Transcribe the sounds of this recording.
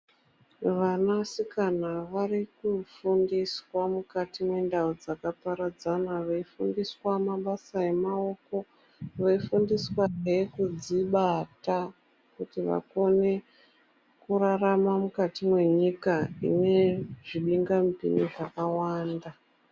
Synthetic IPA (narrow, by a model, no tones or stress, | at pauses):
ʋanasikanaʋarikufundiswamukatimwe̞ndaud͡zakapaɾad͡zanaʋeifundiswamaɓasae̞mao̞ko̞ | ʋaifundiswaekud͡ziɓata | kutiʋa̰ko̞ne̞ | kuraramamukatimwe̞ɲikaḭne̞ʐiɓiŋɡampḭniʐakawaːnda